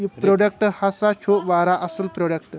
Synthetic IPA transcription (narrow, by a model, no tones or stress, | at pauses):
pɾoɖek̚ʈhasat͡ɕʰoʋaɾaʔəsuːlpɾoɽek̚ʈ